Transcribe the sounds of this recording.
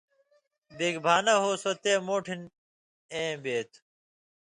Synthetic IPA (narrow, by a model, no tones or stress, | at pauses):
beːɡbʱaːnɐɦoːsot̪eːmoːʈʰin | ẽːbeːt̪